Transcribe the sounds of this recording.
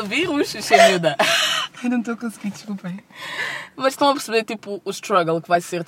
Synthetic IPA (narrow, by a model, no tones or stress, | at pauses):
viɾuʃʃɐvud̪ɐanɐ̃w̃t̪̬okõsɡiɾd̪ɨʃkulˠpeɾ | mɐʃʃt̪ɐ̃w̃ɐp̬ɨɾsɨβeɾt̪ipuːʃt̪ɾɐɣɐlˠkɨvajseɾ